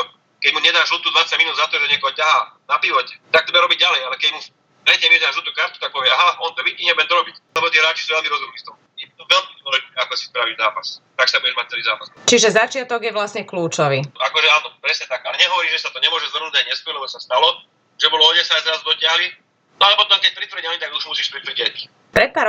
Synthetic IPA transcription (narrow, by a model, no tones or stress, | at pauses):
ɔ | kɛɟmuɲɛnaʃlɔt̪uːd̪ʋat͡saɟminuːd̪zat̪ɔʒɛɲɛkɔɦɔcaɦanapiʋɔcɛt̪ak̚t̪ɔbɛɾɔbiɟ̚alɛjalɛkɛɟmu | pɾɛɟɛmʋɪɛdaʒɔt̪uːkɾaɾt̪u̥t̪ak̚pɔʋɪɛaɦaɔnt̪ɔʋiɟiːɲɛbɛnd̪ɔɾɔbiclɛbɔt̪iɛɾaːt͡ʃi̥suːʋɛlmiɾɔzumniːst̪ɔɦ | it̪ɔʋɛlmid̪ɔlɛʒɛakɔsi̥spɾaʋizaːpast̪aksabuɟɛʒmac̚t͡sɛlizaːpast͡ʃiʒɛzat͡ʃɪat̪ɔɡjɛʋlasɲɛkluːt͡ʃɔʋiakɔʒɛaːnɔpɾɛsɲɛt̪aɡalɛɲɛɦɔʋɔɾiːmʒɛsat̪ɔɲɛmʊɔʒɛzʋər̩nuɟajɲɛskɔɾlɛbɔsast̪alɔ | ʒ̥ɛbɔlɔɔdɛsazɾaːzd̪ɔtɪaɦli | nɔalɛmɔʒnɔakɛc̚pɾit̪ʋɾ̩əait̪aɡuʒmusiːʃpɾit̪vɾ̩ɟɪac | pɾɛt̪̚paːɾ